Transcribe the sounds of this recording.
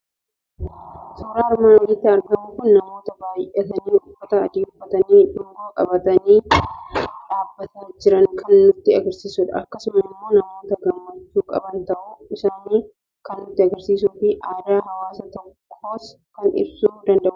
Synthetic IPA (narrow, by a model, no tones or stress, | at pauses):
soːɾaːɪɾmaːnwɔlɪt̪ːɪɐɾɡɐmuːkʊnːɐmo̞ːt̪ɐbaːjʔet̪ɐniːʔʊfːɐt̪ɐːd̪iːʊfːɐt̪ɐniːᶑʊɡoːkʼɐbɐt̪ɐniː | ᶑaːbːɐt̪ɐd͡ʒɪɾɐŋkʰɐnːʊt̪ːɪɐɡɐɾsiːsuːᶑɐ̰ɐ̰kːɐsʊmɐɪmːo̞ːnɐmo̞ːt̪ɐɡɐmːɐt͡ʃːuːkʼɐ̰bɐnt̪ɐʔuɪsaːniː | kɐnːʊt̪ːɪɐɡɐɾsiːsuːfɪʔaːd̪aːɦɐwaːsɐt̪ɔkʰːo̞ːskɐnɪ̰bsuːd̪ɐnd̪ɐʔʊ